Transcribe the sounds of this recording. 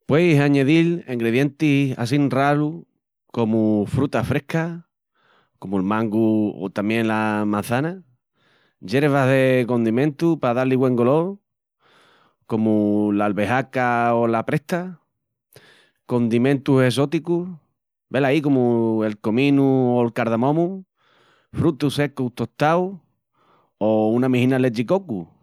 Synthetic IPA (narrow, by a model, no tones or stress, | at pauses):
pwe̞jsaɲe̞ðileŋɡɾeðje̞nt̪ia̰s̬inralu | ko̞mufɾut̪afɾe̞hka | ko̞muelmãŋɡuo̰t̪amje̞nlamãn̟θana | ʝe̞ɾeβaɦðe̞ko̞nd̪imẽ̞nt̪upaðaliɣwe̞ŋɡo̞lo̞ | ko̞mulalβe̞ɦakaolapɾe̞ht̪a | ko̞nd̪imẽnt̪use̞s̬ot̪iku | be̞laikomuelkomĩnuolkaɾðamõmũ | fɾut̪use̞kut̪o̞t̪aw | ounamĩhĩnalet͡ʃikoku